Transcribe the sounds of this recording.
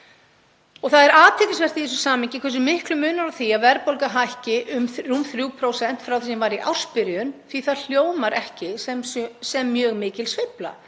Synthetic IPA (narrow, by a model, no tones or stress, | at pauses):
ɔɣθaðɛɾaːt̪ʰɪfɪsvɛr̥t̪iθɛs̬ʏ̥saːmɪŋcɪkʰvɛs̬ʏmɪhklʏmʏːnaɾawθiaðvɛɾpowlkaɦajhcɪʔʏmrumθɾjuwpʰɾoːwsɛn̥t̪fɾawθɛsɛmvaɾiʔa̰wr̥spɪɾjʏnθiθaðl̥joːwmaɾʔɛhcɪsɛmsɛmːjœːɣmɪːcɪlsvɪpla̰